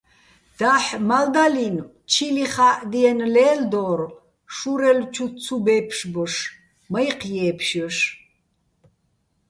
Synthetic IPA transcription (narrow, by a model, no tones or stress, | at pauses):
d̪̥aħmald̪alin | t͡ʃʰiliχaːʔd̪iɛnlɛːld̪ɔːr | ʃuɾɛlt͡ʃʰut͡sʰubɛpʰʂbɔʂ | majqʰjɛːpʰʃɔʃ